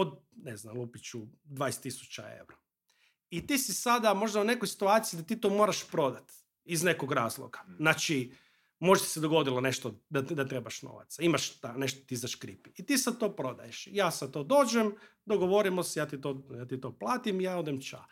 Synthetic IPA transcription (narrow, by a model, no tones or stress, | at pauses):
od̪ | neznamlˠupit͡ɕud̪ʋaːest̪ːisu̥t͡ʃaḛʋɾo | it̪iːsisad̪amo̞ʒd̪aune̞kojsi̥t̪uaːt̪sijiɡd̪at̪iːt̪oːmoːɾaʃpɾo̞d̪at̪ | izne̞koɡɾaːzlˠo̰ɡaznat͡ʃi | moʒt̪i̥sed̪oɡo̞d̪ilˠone̞ʃt̪od̪ad̪at̪ɾebaʃno̰ʋa̰t̪saimaʃt̪ane̞ʃt̪ot̪izaʃkɾipiit̪iːsad̪̚t̪o̞ːpɾo̞d̪a̰jeʃjaːsad̪̚t̪oːd̪o̞ːd͡ʒem | d̪oɡoʋo̞ɾimosejaːt̪it̪ojaːt̪it̪oːplˠaːt̪imijaːod̪emt͡ʃa̰